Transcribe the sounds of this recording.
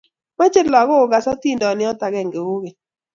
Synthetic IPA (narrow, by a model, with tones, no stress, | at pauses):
ma˦t͡ʃɪ˦lɔ˨ɡɔ˦˨ɡa˨sɔ˦ti˦ndɔ˨nɪ˦ɔ˦ta˨ɡɛ˦˨ŋɡe˨wo˦ɡe˨